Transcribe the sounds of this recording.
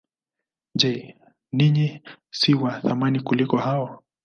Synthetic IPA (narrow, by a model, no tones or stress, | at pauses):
d͡ʒɛ | niɲi | siwaθamanikulikɔhaɔ